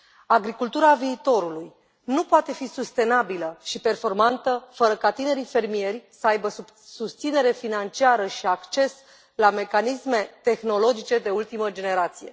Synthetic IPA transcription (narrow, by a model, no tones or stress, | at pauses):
aɡɾikult̪uɾaviːt̪o̞ɾuluj | nupoat̪e̞fisust̪e̞nabiləʃipe̞rfo̞rmant̪əfəɾəkat̪ine̞ɾife̞rmie̞rʲsəajbə | sust̪sine̞ɾe̞finant͡ʃiaɾəʃiakt͡ʃe̞s | lame̞kanisme̞t̪e̞xno̞lo̞d͡ʒit͡ʃe̞d̪e̞ult̪iməd͡ʒe̞ne̞ɾat̪sije̞̰